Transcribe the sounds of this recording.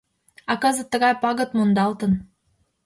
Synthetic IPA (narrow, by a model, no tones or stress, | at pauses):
ɑkɑzɤ̆t̪ːə̆ɣɑjpɑɣɤ̆t̪mond̪ɑlt̪ə̆n